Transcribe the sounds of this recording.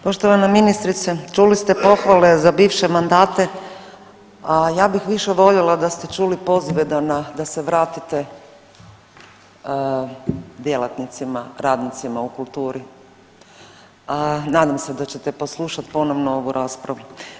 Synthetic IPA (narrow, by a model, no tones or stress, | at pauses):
po̞ʃt̪oʋanaminist̪ɾit̪set͡ʃulist̪e̞po̞xʋale̞zabiːʋʃemand̪aːt̪e̞ | ajaːbixʋiʃe̞ʋo̞ʎelad̪ast̪e̞t͡ʃuːlipo̞ziʋed̪anad̪aseʋɾaːt̪it̪e | d̪jelat̪nit̪simaɾaːd̪nit̪simaukulˠt̪uːɾi | anaːd̪amse̞d̪at͡ɕe̞t̪epo̞slˠuʃat̪po̞no̞ʋnoo̞ʋuɾʔaːspɾaʋu